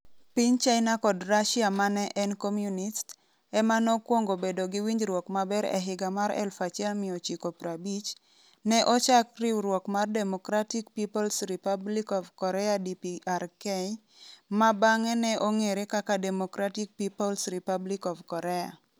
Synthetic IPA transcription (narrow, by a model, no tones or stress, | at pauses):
piɲt͡ʃaɪnakɔdraʃiamanɛʔɛnkomjunist | ɛmanokwoŋɡobedoɡɪwiɲd͡ʒɾwɔkmabɛɾɛ̰ɦɪɡamaɾɛ̰lfat͡ʃɛlmɪot͡ʃikopɾabit͡ʃ | nɛʔɔt͡ʃakrɪwɾwɔkmardɛmɔkɾatikpipolsɾipablikɔvkɔɾɛadipiarkɛj | mabaŋɛnɛʔoŋeɾekakadɛmokɾatik̚pipɔlsɾipablikɔvkɔɾɛa̰